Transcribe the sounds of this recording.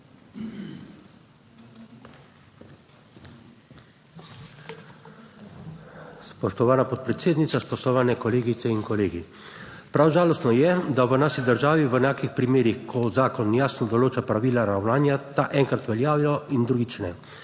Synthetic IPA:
spɔʃt̪ɔʋaːnapɔt̪̚pɾɛt̪seːd̪nit̪saspɔʃt̪ɔʋaːnɛkɔleːɡit̪sɛiŋkɔleːɡi | pɾawʒaːlɔst̪nɔjɛd̪aʋənaːʃid̪əɾʒaːʋiʋənaːkixpɾimeːɾixkʰɔzaːkɔnjaːsnɔd̪ɔloːt͡ʃapɾaʋiːlaɾawnaːnjat̪aʔɛŋkɾat̪ʋɛljaːwjɔind̪ɾuːɡit͡ʃnɛ

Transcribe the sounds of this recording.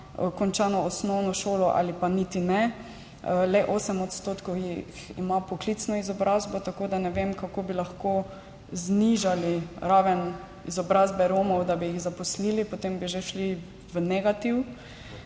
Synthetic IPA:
kɔnt͡ʃaːnɔɔsnɔwnɔʃoːlɔʔa̰lipanit̪inɛ | lɛʔoːsɛmɔt̪st̪oːt̪kowjixḭmapɔklit̪snɔizɔbɾazbɔt̪akoːd̪anɛʋemkakoːbilaxko | zniʒaliɾaːʋɛn | izɔbɾazbɛɾoːmɔwd̪abijiɣzapɔsliːlipot̪embiʒeʃli | ʋənɛɡat̪iw

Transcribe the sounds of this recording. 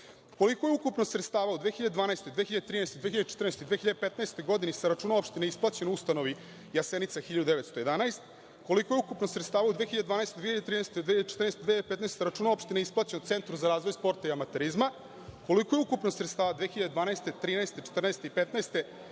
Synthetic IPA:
ko̞likojeukupnosɾet̪st̪aːʋaud̪ʋeːxiʎad̪ed̪vaːnaest̪od̪exiʎad̪et̪ɾiːnaːst̪od̪vexiʎad̪et͡ʃe̥t̪ɾrneːst̪od̪veːxiʎad̪epet̪naest̪o̞jɡo̞d̪inisaɾat͡ʂuːnomo̞pʃt̪ineisplˠat͡ɕenust̪ano̞ʋi | jasenit̪saxiʎad̪ud̪eʋet̪st̪ojeanaest̪ | ko̞likojeukupnosɾet̪st̪aːʋaud̪veːxiʎaded̪anaest̪od̪veçiʎad̪eɾinaɛːst̪ed̪eːiad̪et͡ʃe̥t̪rnest̪od̪eijad̪epet̪naɛessaɾaʈ͡ʂunomo̞pʃt̪ineisplˠaːt͡ɕenot̪se̞nt̪ɾuzaɾaːzʋo̞jspo̞ɾt̪aiamat̪eɾizma | ko̞likojeukupnosɾet̪st̪aːʋad̪veːxiʎad̪ed̪vaːnaest̪e̞t̪ɾiːnaest̪et͡ʃe̥t̪rnaest̪eipet̪naest̪e̞

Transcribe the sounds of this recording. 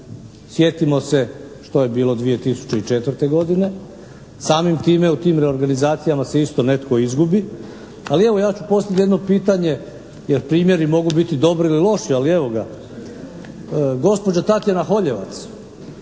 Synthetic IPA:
sje̞t̪imo̞se̞ | ʃt̪oje̞biːlo̞d̪ʋije̞t̪isu̥t͡ɕe̞it͡ʃe̞t̪ʋəɾ̩t̪e̞ɡo̞d̪ine̞ | saːmimt̪iːme̞ut̪iːmɾe̞o̞ɾɡanizaːt̪sijamase̞ist̪o̞ne̞t̪ko̞izɡubi | alie̞ʋo̞jaːt͡ɕupo̞st̪at̪jed̪nopiːt̪aɲe̞ | jeɾpɾiːmje̞ɾimo̞ɡubit̪id̪o̞bɾiililˠo̞ʃialie̞ʋo̞ɡa | ɡo̞spod͡ʑat̪at̪jenaxo̞ʎe̞ʋa̰t̪s

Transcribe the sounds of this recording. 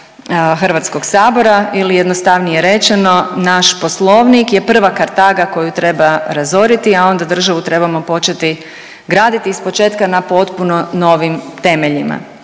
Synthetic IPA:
xr̩ʋat̪sko̞ɡsaːbo̞ɾailijed̪nost̪aʋnijeɾe̞t͡ʃe̞no̞naʃpo̞slˠo̞ʋnikje̞pr̩ʋakaɾt̪aɡako̞jut̪ɾe̞baɾazo̞ɾit̪iao̞nd̪ad̪r̩ʒaʋut̪ɾe̞bamo̞po̞t͡ʃe̞t̪i | ɡɾaːd̪it̪iːspo̞t͡ʃe̞ːt̪kanapo̞t̪puno̞no̞ʋimt̪e̞me̞ʎima̰

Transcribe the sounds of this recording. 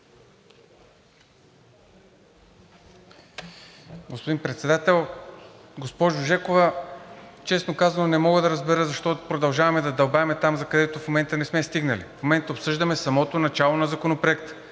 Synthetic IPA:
ɡospod̪inpɾɛt̪sɛd̪at̪ɛlˠ | ɡospɔʒʊʒɛkovɐ | t͡ʃɛsnokazɐnonɛmɔɡəd̪ɐɾɐzbɛɾəzɐʃt̪ɔt̪opɾod̪ɐlˠʒavɐmɛd̪ɐd̪ɐlˠbavɛmɛt̪amzɐkɐd̪ɛt̪ofmomɛnt̪ənɛsmɛst̪iɡnəlḭfmomɛnt̪əopsɤʒd̪ɐmɛsɐmɔt̪onɐt͡ʃalˠonɐzɐkonopɾoɛkt̪ə̥

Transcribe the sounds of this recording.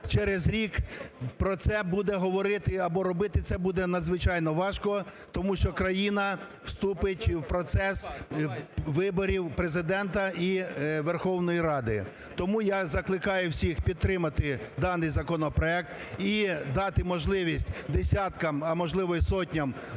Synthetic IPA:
t͡ʃɛɾezɾʲikpɾɔt̪sɛbud̪ɛɦɔʋɔɾɪt̪ɪɐbɔɾɔbɪt̪ɪt̪sɛbud̪ɛnɐd̪zʋɪt͡ʃɑjnɔʋɑʃkɔ | t̪ɔmuʃt͡ʃɔkɾɐjinɐ | w̥st̪upɪtʲwpɾɔt̪sɛs | ʋɪbɔɾʲiwpɾezɪd̪ɛnt̪ɐiʋerxɔwnɔjiɾɑd̪ɪ̰ | t̪ɔmujɑzɐklˠɪkɑjʊwsʲixpʲid̪t̪ːɾɪmɐt̪ɪd̪ɑnɪjzɐkɔnɔpɾɔɛk̚t̪ | id̪ɑt̪ɪmɔʒlˠɪʋʲisʲtʲd̪esʲɑt̪kɐmɐmɔʒlˠɪʋɔjsɔtʲnʲɐm

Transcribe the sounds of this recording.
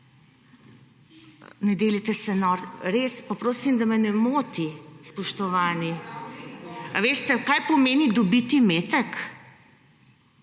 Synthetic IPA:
nɛd̪eːlit̪ɛsɛnɔɾɾeːspapɾoːsimd̪amɛnɛmoːt̪ispɔʃt̪ɔʋaːni | aʋeːst̪ɛkaːjpɔmeːnid̪ɔbit̪imeːt̪ɛk

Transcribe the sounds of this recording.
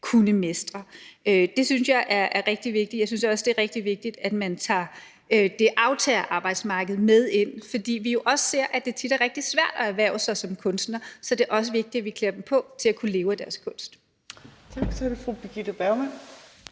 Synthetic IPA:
kʰunəme̝sd̥ʁɐød̥e̝synsjɑ̈ɪʔæɐæɐʁɛɡ̥̚d̥iʋe̝ɡ̥d̥ijɑɪsynsɒ̽sd̥e̝æɐʁɛɡ̥̚d̥iʋe̝ɡ̥̚d̥id̥æd̥mænt͡sʰɑ̰̈ː | ød̥e̝ʔɑ̈ʊt͡sʰɛːɐʔɑ̈ːb̥ɑ̈ɪd̥smɑ̈ːɡ̥əð̩ˠmeð̞ˠe̝n̰fɒ̽d̥ḭːʋijo̝ʔɒ̽sə̥se̝ɐ̰ʔæd̥e̝t͡sʰid̥æɐʁɛɡ̥̚d̥isʋæɐ̰d̥ɒæɐʋæɐʊsɑ̈ɪsɒ̽mkʰɔ̽nsd̥nɐsɒ̽d̥e̝ɐʔɒ̽s̬əʋe̝ɡ̥̚d̥iæʋikʰleɐdem̩pʰɒ̽t͡sʰe̝lækʰule̝ːʊæd̥æɐskʰɔ̽n̰sd̥ | t͡sʰɑɡ̥sɾefʁub̥iɡ̥idɐb̥æmæn̰

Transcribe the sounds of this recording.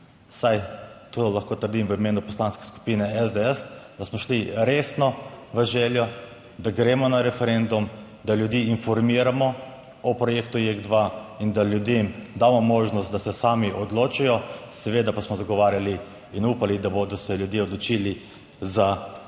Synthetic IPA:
sajt̪oːlaxkoːt̪əɾd̪imʋəimeːnupɔslaːnskɛ̥sku̥piːnɛɛzd̪eɛsd̪asmɔʃliɾeːsnɔʋəʒɛːljɔ | d̪aɡɾeːmɔnaɾɛfɛɾend̪um | d̪alʲjud̪jiːinfɔɾmiːɾamɔ | ɔpɾɔjeːkt̪ujeɡd̪ʋaind̪aljud̪emd̪amɔmoːʒnɔst̪̚d̪asɛsaːmiʔɔd̪loːt͡ʃijɔsɛʋeːd̪apasmɔzaɡɔʋaːɾjaliː | nuːpalid̪aboːd̪ɔsɛljud̪jeɔd̪lɔt͡ʃiːli | za

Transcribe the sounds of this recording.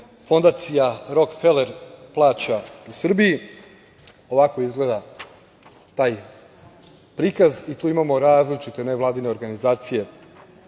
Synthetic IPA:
fo̞nd̪aːt̪sijaɾo̞kfeleɾplˠaːt͡ɕausr̩biji | o̞ʋako̞izɡle̞ːd̪a | t̪aːj | pɾiːkazit̪uːimamo̞ɾaːzlit͡ʃit̪e̞ne̞ʋlˠaːd̪ine̞o̞ɾɡanizaːt̪sije̞

